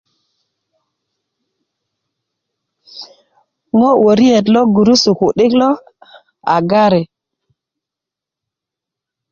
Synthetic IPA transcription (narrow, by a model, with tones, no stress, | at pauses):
ŋo˦wo˨ɾi˦e˨tlɔ˦ɡu˨ɾu˦su˨ku˨ɗi˦klɔ˦ | a̰˨ɡa˦ɾe˨